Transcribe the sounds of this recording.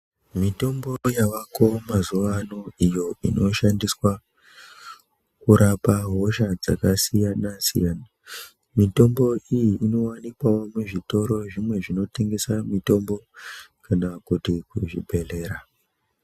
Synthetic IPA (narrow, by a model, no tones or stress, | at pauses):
mito̞mbo̞jaʋako̞mazuʋanoijo̞ino̞ʃandiswa | kuɾʔapaɦo̞ʃad͡za̰kasijanasḭjana | mito̞mbo̞ijiʔino̞wanikwawo̞muʐito̞ɾo̞ʐimwe̞ʐino̞te̞ŋɡe̞samito̞mbo̞kanakutikuʐḭbʱe̞le̞ːɾa